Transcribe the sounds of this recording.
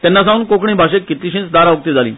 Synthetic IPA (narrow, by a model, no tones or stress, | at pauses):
t̪ɛ̃nːasãuːnkokɳ̃ĩbʱaɕekːit̪iɕĩnt͡sd̪aɾaʋuk̚t̪id͡zʱalḭ̃ː